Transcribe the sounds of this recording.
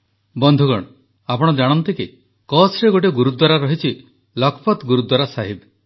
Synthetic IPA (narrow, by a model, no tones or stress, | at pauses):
bɔnd̪ʱuɡɔɽ̃ɔ | apɔɽ̃ɔd͡ʒaɽ̃ɔnt̪ike | kɔsɾeɡoʈ̬eɡuɾud̪waɾaɾɔɦit͡ʃʰi | lɔkʰɔpɔt̪ɡuɾud̪waɾasaɦib